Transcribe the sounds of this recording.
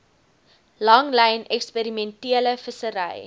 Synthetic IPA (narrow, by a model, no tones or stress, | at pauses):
lɐŋlɛjnɛkspəɾimɛntiələfəsəɾɐ̰j